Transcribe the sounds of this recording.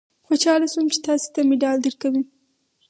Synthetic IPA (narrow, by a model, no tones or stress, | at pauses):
xoʃɑlasumt͡ʃe̥t̪ɑse̥t̪amɪɖɑld̪əɾkawi